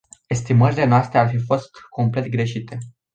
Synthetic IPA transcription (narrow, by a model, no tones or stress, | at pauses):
e̞st̪iməɾile̞noast̪ɾe̞arfifo̞st̪kʰo̞mple̞t̪̚ɡɾe̞ʃit̪e̞